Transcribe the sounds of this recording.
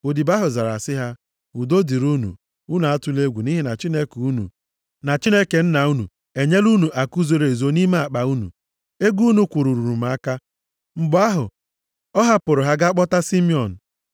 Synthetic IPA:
o˨di˨ba˦ɦʊ˨za˨ɾa̰˨sɪ˦ɦa˦ | u˨do˦di˨ɾu˦nṵ˨ | u˦nu˨a˦tʊ˨le˦ɡʷu˨ni˦ɦi˦na˨t͡ʃi˦ne˦ku˦nṵ˨ | na˨t͡ʃi˦ne˦ke˨n̩˦na˨u˦nṵ˨ | e˨ɲe˦lu˦nu˨ʔa˨ku˦zo˨ɾe˨zo˨˦ni˦ma˦a˨k͡pa˨u˦nṵ˨ | e˦ɡu˦nu˨˦kʷu˨ɾu˨ɾu˨ɾu˨ma˦ka˦ | ŋ͡m̩˨ɡ͡bʊ˦a˦ɦʊ̰˨ | ɔ˦ɦa˦pʊ˨ɾʊ˨ɦa˦ɡa˦k͡pɔ˦ta˦si˦mi˦ɔ˨n̩˨

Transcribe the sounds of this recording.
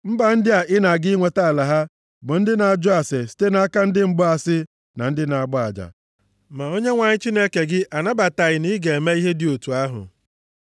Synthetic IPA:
m̩˦ba˨n̩˦dɪ˦a˨ʔɪ˦na˨ɡɪ˦ŋʷe˨ta˦˨la˨ɦa˦ | bʊ˨n̩˦dɪ˦na˨d͡ʒʊ˦a˨se˨si̥˦te˦na˦a˦ka˦n̩˦dɪ˦ŋ͡m̩˦ɡ͡bʊ˦a˨sɪ˦ | na˨n̩˦dɪ˦na˨a˨ɡ͡bɔ˦a˨d͡ʒa̰˨ | ma˨o˦ɲe˦ŋʷa˨ɲɪ˦t͡ʃi˦ne˦ke˨ɡɪ˦ʔa˨na˦ba˨ta˨ɣɪ˨ni˦ɡe˨e˨me˦i˦ɦe˦dɪ˨˦o˨tu˨a˦ɦʊ̰˨

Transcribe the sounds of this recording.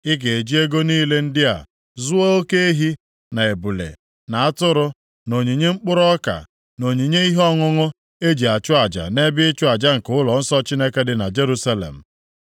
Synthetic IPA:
ɪ˦ke˨e˨d͡ʒi˦e˦ɡo˦niː˦le˦n̩˦dɪ˦a̰˨ | zʊ˦a˦o˦ke˦e˦ɦi˦ | na˨e˨bu˨lḛ˨ | na˨a˦tʊ˦ɾʊ˦ | no˨ɲi˨ɲe˦ŋ͡m̩˦k͡pʊ˦ɾɔ˦ka̰˨ | no˨ɲi˨ɲe˦i˦ɦɔ˦ŋʊ˦ŋʊ˦ | e˦d͡ʒi˨a˨t͡ʃʊ˦a˨d͡ʒa̰˨ne˦bɪ˦ɪ˦t͡ʃʊ˦a˨d͡ʒa˦ŋ̩˨kʊ˦lɔ˨n̩˦sɔ˦t͡ʃi˦ne˦ke˦dɪ˨na˨d͡ʒe˦ɾu˦sa˦lḛ˨m̩˨

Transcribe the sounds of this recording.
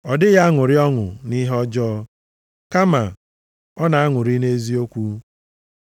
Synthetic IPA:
ɔ˨dɪ˦ɣa˦a˦ŋʊ˨ɾɪ˦ɔ˦ŋʊ̰˨ni˦ɦɔ˦d͡ʒɔː˦ | ka˦ma˨ | ɔ˦na˨a˦ŋʷʊ˨ɾi˦ne˦zi˦o˦kʷu˦

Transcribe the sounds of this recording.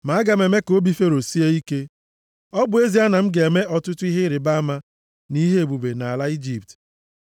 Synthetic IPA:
ma˨a˦ɡa˨me˨me˦ko˦bi˨fe˦ɾo˨si˦e˦i˦ke˦ | ɔ˦bʊ˨e˦zi˨˦a˦na˨m̩˦ɡe˨me˦ʔɔ˦tʊ˦tʊ˦i˦ɦɪ˦ɾɪ˨ba˦ma˦ | ni˦ɦe˦e˨bu˨be˨na˨a˨la˦i˦d͡ʒi˨p̚t

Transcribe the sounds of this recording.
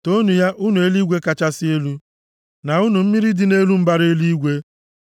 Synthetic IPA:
to˦nu˨ja˦ʔʊ˦nu˨e˦li˦ɡʷe˦ka˨t͡ʃa˦sɪ˦e˦lu˦ | na˨u˦nu˨m̩˦mi˦ɾi˦dɪ˦ne˦lu˦m̩˦ba˦ɾe˦li˦i˦ɡʷe˦

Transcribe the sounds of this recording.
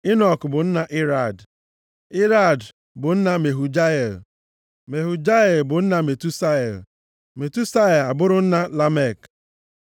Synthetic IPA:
ɪ˦nɔ˨kbʊ˨n̩˦na˨ʔi˦ɾa˦˨d | ɪ˦ɾa˦˨d | bʊ˨n̩˦na˦me˨ɦu˨d͡ʒa˦e˨l | me˨ɦu˨d͡ʒa˦e˨lbʊ˨n̩˦na˨me˨tu˦sa˦˨l | me˨tu˦sa˦e˨la˨bʊ˦ɾʊ˦n̩˦na˦la˦me˦˨k

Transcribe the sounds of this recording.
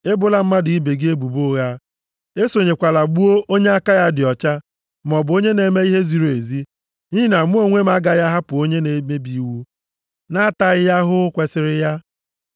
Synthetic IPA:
e˦bʊ˨la˦m̩˦ma˦dɪ˨i˦be˨ɡɪ˦e˦bu˨bu˦ɣa˦ | e˦so˨ɲe˨kʷa˨la˨ɡ͡bu˦o˦ʔo˦ɲe˦a˦ka˦ja˦dɪ˨ɔ˨t͡ʃa˦ | m˨ɔ˨bʊ˨˦o˦ɲe˦ne˨˦me˦i˦ɦe˦zi˨ɾe˨zi˦ | ni˦i˦na˨m˦o˦ŋʷe˦ma˦ɡa˨ja˦ɦa˦pʊ˨o˦ɲe˦ne˨me˦bi˨˦wu˦ | na˦a˦ta˨ɪ˦ja˦ɦʊ˦kʷe˦sɪ˦ɾɪ˦ja˦

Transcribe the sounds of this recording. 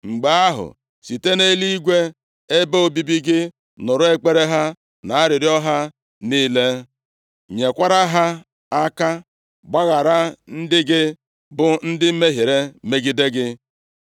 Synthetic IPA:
ŋ͡m̩˨ɡ͡ba˦a˦ɦʊ̰˨ | si˨te˦ne˦li˦i˦ɡʷe˦ | e˦be˦o˦bi˦bi˦ɡɪ˦ | nʊ˨ɾʊ˦e˦k͡pe˦ɾe˦ɦa˦ | na˨a˦ɾɪ˨ɾɪ˦ɔ˦ɦa˦ | niː˦le˦ | ɲe˨kʷa˦ɾa˦ɦa˦ | a˦ka˦ | ɡ͡ba˦ɣa˨ɾa˦n̩˦dɪ˦ɡɪ˦ | bʊ˨n̩˦dɪ˦m̩˦me˦ɦe˨ɾe˦me˦ɡi˦de˦ɡɪ˦

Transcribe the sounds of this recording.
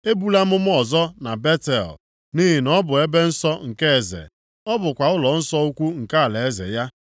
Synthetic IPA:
e˦bu˦la˦mʊ˦m˦ɔ˨zɔ˦na˨be˦te˨l | ni˦ɦi˨nɔ˦bʊ˨e˦be˦n̩˦sɔ˦ŋ̩˨ke˦e˨zḛ˨ | ɔ˦bʊ˨kʷa˨ʊ˦lɔ˨n̩˦sɔ˦u˦kʷu˦ŋ̩˨ka˦a˨le˨e˦zḛ˨ja˦

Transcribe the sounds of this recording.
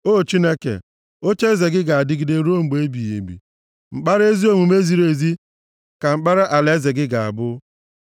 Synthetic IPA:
o˦˨t͡ʃi˦ne˦kḛ˨ | o˦t͡ʃe˦ze˨ɡɪ˦ɡa˨a˨dɪ˦ɡɪ˨de˦ɾo˦ŋ͡m̩˨ɡ͡be˦bi˨jḛ˨ɡ͡bḭ˨ | ŋ͡m̩˨k͡pa˦ɾe˦zi˦o˦mu˨me˦zi˨ɾe˨zi˦ | ka˨ŋ͡m̩˦k͡pa˦ɾa˦ʔa˨le˦ze˨ɡɪ˦ɡa˨a̰˨bʊ˦

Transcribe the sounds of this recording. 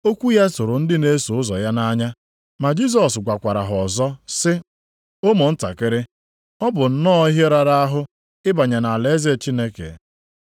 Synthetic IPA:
o˦kʷu˦ja˦tʊ˨ɾʊ˨n̩˦dɪ˦ne˦so˨ʊ˦zɔ˨ja˦na˦ɲa˦ | ma˨d͡ʒi˦z̬ɔ˨sɡʷa˨kʷa˨ɾa̰˨ɦʊ˨ɔ˨zɔ˦sɪ˦ | o˦mo˨n̩˦ta̰˨kɪ˦ɾɪ˦ | ɔ˦bʊ˨n̩˦nɔ˦ɦje˦ɾa˨ɾa˦a˦ɦʊ˦ | ɪ˦ba˨ɲa˨na˨le˨˦ze˦˨t͡ʃi˦ne˦kḛ˨

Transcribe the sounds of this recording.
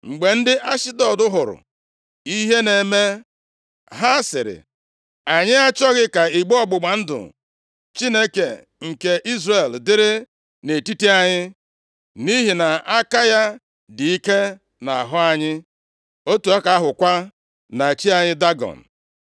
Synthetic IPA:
ŋ͡m̩˨ɡ͡be˨n̩˦dɪ˦ʔa˦ʃɪ˦dɔ˨dʊ˦ɦʊ˨ɾʊ̰˨ | i˦ɦe˦ne˨me˦ | ɦa˦sɪ˨ɾɪ̰˨ | a˨ɲɪ˦a˦t͡ʃɔ˦ɣɪ˦ka˨i˨ɡ͡bɔ˦˨ɡ͡bʊ˨ɡ͡ba˨n̩˦dʊ̰˨ | t͡ʃi˦ne˦kḛ˨ | ŋ̩˨ke˨ʔi˦zre˨ldɪ˦ɾɪ˦ | ne˨ti˦ti˦a˦ɲɪ˦ | ni˦ɦi˨na˨a˦ka˦ja˦ | di˨i˦ke˦ | na˨a̰˨ɦʊ˦a˦ɲɪ˦ | o˦tu˨a˦ka˨a˦ɦʊ˨kʷa˦ | na˨t͡ʃi˦a˨ɲɪ˦da˦ɡɔ̰˨n̩˨

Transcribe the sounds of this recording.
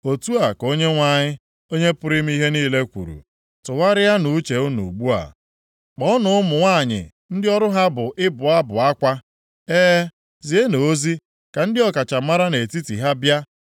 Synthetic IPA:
o˨tu˦a˨ko˦ɲe˦ŋʷa˦ɲɪ˦ | o˦ɲe˦pʊ˦ɾɪ˦m̩˦i˦ɦe˦niː˦le˦kʷṵ˨ɾṵ˨ | tʊ˨wa˦ɾɪ˦ja˦nu˨˦t͡ʃe˨ʊ˦nṵ˨ɡ͡bu˦a̰˨ | k͡pɔ˦nʊ˦ʊ˦mʊ˨ŋʷa˦˨ɲɪ̰˨ | n̩˦dɪ˦ɔ˦ɾʊ˦ɦa˦bʊ˨ʔɪ˦bʊ˨a˦bʊ˨a˦kʷa˦ | eː˦ | zi˨e˦no˨o˦zi˦ | ka˨n̩˦dɪ˦ɔ˨ka˨t͡ʃa˨ma˦ɾa˦ne˨ti˦tḭ˨ɦa˦bja˦

